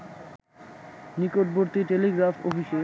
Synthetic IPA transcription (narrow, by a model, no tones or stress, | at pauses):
nikoʈ̚boɾt̪iʈeliɡɾafʰo̰bʱiʃe